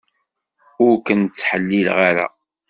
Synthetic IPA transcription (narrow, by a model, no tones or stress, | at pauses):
ʊɾkənt͡sːħəlːilʁaɾa̰